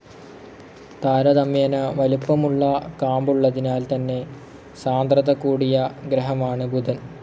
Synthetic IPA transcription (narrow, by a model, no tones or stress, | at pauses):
t̪aːɾɐd̪ɐmjeːnɐʋɐlupːɐmuɭːɐkaːmbuɭːɐðinaːlt̪ɐnːe̞ | saːnd̪rɐðɐkːuːɽijɐɡɾɐɦɐmaːɳɨbud̪ʱɐn